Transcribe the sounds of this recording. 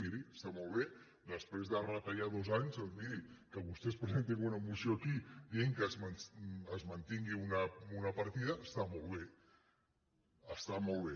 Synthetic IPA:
iɾiəst̪amolˠβ̞e | d̪əspɾezðərət̪aʎaðozaɲzəld̪iɾikəβust̪espɾəzent̪iŋunəmusiokidieŋkəzmənəzmənt̪iŋɡiunəunəpəɾt̪iðəʔːst̪amolˠβe | əst̪amolˠβe

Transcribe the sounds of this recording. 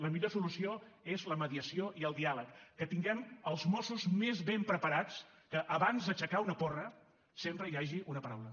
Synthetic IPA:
ləmiʎosulusio | ezləməðiəsioʔiəlˠd̪ialəkːət̪iŋɡɛməlˠzmɔsuzmezβempɾəpəɾat͡s | kəʔːβanzðət͡ʃəkaunəpɔrə | sempɾəiaʒiʔunəpəɾawlə

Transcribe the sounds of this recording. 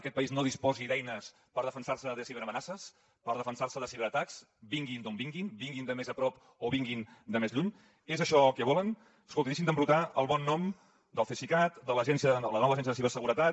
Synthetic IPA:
əkɛt̪pəiznoðispɔziðɛjnəs | pəɾð̞əfənsaɾsəðəsiβeɾəmənasəs | pəɾð̞əfənsaɾsəðəsiβəɾət̪aks | biŋɡind̪ombiŋɡinbiŋɡind̪əmezəpɾɔp | oβiŋɡind̪əmezʎuɲ | ezəʃɔkəβ̞ɔlən | əskolˠt̪inis̬ind̪əmbɾut̪aəlˠβɔnːɔm | d̪əlˠfesikat̪d̪ələʒɛnsiəələnɔβəʒɛnsjəðəs̬iβərsəɣuɾət̪a

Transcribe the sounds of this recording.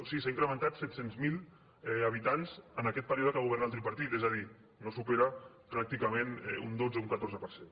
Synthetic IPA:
osisaiŋkɾəmənt̪at̪sɛt̪senzmil | ɛəβ̞it̪anz̥ənakɛt̪pəɾioðəkaɣuβɛɾnalt̪ɾipɐɾt̪it̪ezəði | nosupeɾa | pɾak̚t̪ikamenɛ̰ṵnd̪od͡zəuŋkat̪orzəpəɾsen

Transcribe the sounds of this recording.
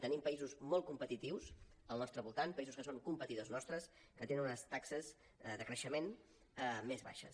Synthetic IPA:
t̪ənimpəizuzmɔl̚ˠkumpət̪it̪iwz | əlˠnɔst̪ɾəβulˠt̪anpəizuskəsoŋkumpət̪iðoznɔst̪ɾəs | kət̪enənunəst̪aksəz | ðəkɾəʃəmen | mezβa̰ʃə̰s

